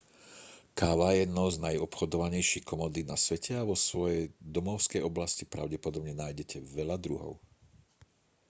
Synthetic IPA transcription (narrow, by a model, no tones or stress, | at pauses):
kaːʋajɛd̪nɔznajɔpxɔd̪ɔʋaɲɛjʃixkɔmɔd̪inasʋɛcʰɛaʋɔsʋɔjɛjd̪ɔmɔʊskɛjɔblascipɾaʊɟɛpɔd̪ɔbɲɛnaːjɟɛcʰɛʋɛʎad̪ɾuɦɔ̰ʊ